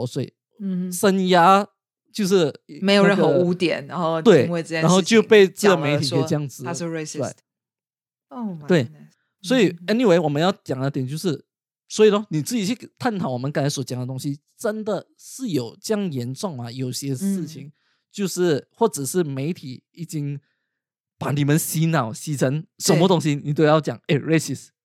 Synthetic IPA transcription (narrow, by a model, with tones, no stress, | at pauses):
swe˥˩ɪ | ʂə˥nja˥ | t͡ɕjo˥˧ʊʂɻ̩˥˩me˧˥jɻə˥˩ə˧u˧˥t̪jɛ̰˨˩˦nɻa˧˥nxo˥˧ʊt̪we˥˩ɪwe˥˧˥a˧˦nxo˥˧ʊ˧t͡ɕjo˥˧ʊpe˥˧ɪt͡s̩˥˩ə˧me˧ɪt̪ʰi˨˧t͡ɕjɑ˥˩ŋd͡zɹ̩˨˩˥e˥˩e˥˩ | we˥˩ɪ | swɔ˧˥i˨˩ɛ˥ni˨we˧ɪwɔ˨˩mə˦njɑ˥˩ʊt͡ɕjɑ˨˩ŋd̪ə˥t̪jɛ˨˩˦nt͡ɕjo˥˧ʊʂɻ̩˥˩ | swɔ˧˥i˨˩lə˧˦ni˨˩t͡sɹ̩˥˩i˨˩t͡ɕʰy˥˩t̪ʰa˥˩nt̪ʰɑ˨˩˦wɔ˨˩mə˦nka˥nʰa˧˥swɔ˧˥t͡ɕja˨˩ŋd̪ə˦t̪ʊ˥ŋɕi˧˥ | ʈ͡ʂə˦˥nd̪ə˨ | ʂɻ̩˥˩jo˨˩ʊt͡ɕjɑ˥˩ŋjɛ˧˥nʈ͡ʂwɑ˥˩ŋmɐ˨˩jo˨˩ʊɕjɛ˥ʂɻ̩˥˩t͡ɕʰi˨˦ŋ | t͡ɕjo˥˧ʊʂɻ̩˥˩xwɔ˥˩ʈ͡ʂə˨˩ʂɻ̩˥˩me˧˥ɪt̪ʰi˨˦i˨˩t͡ɕi˥ŋ | pa˨˦ni˨˩mə˦nɕi˧˥nɑ˨˩ʊɕi˧˥ʈ͡ʂʰə˧˥ŋʂə˧˦nmə˧t̪ʊ˥ŋɕ̬i˦ni˨˩t̪jo˥˧jɑ˥˩ʊt͡ɕjɑ̰˨˩ŋe˥˩ɪɹe˥si˥˩s